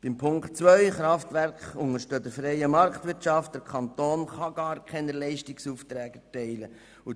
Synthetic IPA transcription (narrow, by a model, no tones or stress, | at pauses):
b̥ɪmpʰʊŋktt͡sʋœʏχɾɑftʋɛɾkχʊŋəɾʃtødəfɾɛjəmɑɾktʋɪɾtt͡ʃɑft̚d̥əɾkʰɑnt̪oːnχɑɡɑːɾkʰɛnəlɛɪʃtɪksuːft̪ɾɛːɡɛtɛɪlə | u